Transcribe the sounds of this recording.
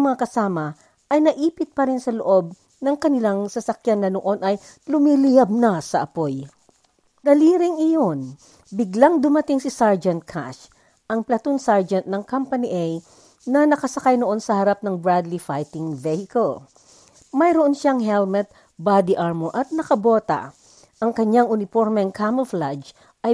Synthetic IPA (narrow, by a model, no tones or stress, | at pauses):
ɐŋmɐŋakɐsaːmɐ | ʔɐjnɐʔiːpɪt̪̚pɐɾɪnsɐloʔo̞b̚ | nɐŋkɐnɪlaŋsɐsɐkjanːɐnoʔo̞nʔɐj | lʊmiːlɪjɐb̚nɐsɐʔɐpo̞j | d̪ɐliːɾɪŋɪjon | bɪɡlaŋd̪ʊmɐt̪ɪŋsɪsaɹd͡ʒɐnt̪̚kʰa̰ʃ | ʔɐŋplɐt̪onsaɹd͡ʒɐnt̪̚nɐŋkampɐniʔɛj | nɐnɐkɐsɐkajnoʔo̞nsɐhɐɾap̚nɐŋbɹad̪lifajt̪ɪŋvɛhɪkɐl | mɐjɾoʔonʃaŋɦɛlmɛt̪̚ | baːd̪ɪʔaɹmoʔɐt̪̚nɐkɐbo̞ːt̪ɐ̰ | ʔɐŋkɐɲaŋʔʊnɪpo̞ɾmɛŋkʰamɐlflad͡ʒ | ʔɐj